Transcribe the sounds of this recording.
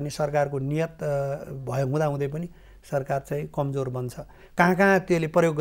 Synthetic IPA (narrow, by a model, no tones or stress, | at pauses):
nisʌrkarkonijʌt̪bʱʌjoɦũd̪aɦũd̪ʌjp̬ʌni | sʌrkart͡sãĩkʌmd͡zorbʌnt͡sʰʌ | kãɦãkaɦãt̪jeleprʌjoɡː